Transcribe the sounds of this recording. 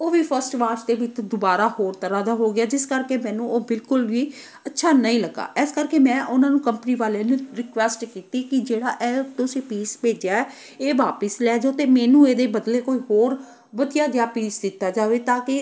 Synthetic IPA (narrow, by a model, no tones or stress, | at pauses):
oːʋiːpʰəɾsʈʋaːɾsd̪eːʋɪt͡ʃd̪ʊbaːɾaːhoːɾt̪əɾaːd̪aːɦoːɡɪaːd͡ʒɪskəɾkeːmɛ̃ːnũːoːbɪlkʊlʋiː | ətːʃʰaːnəĩːləɡa̰ːʔɛːskəɾkeːmɛ̃ːʔʊnãːnũːkəmpəniːʋaːleːnũɾɪkʋɛsʈkiːt̪iːkɪd͡ʒeːɽaːʔɛːt̪ʊsĩːpiːspeːd͡ʒaːɛː | eːʋaːpəslɛːd͡ʒoːt̪eːmɛːnũːeːd̪eːbəd̪leːkoːiːɦoːɾ | ʋəd̪ijaːɡɪjaːpiːsd̪ɪt̪ːaːd͡ʒaːʋeːt̪ãːkɪ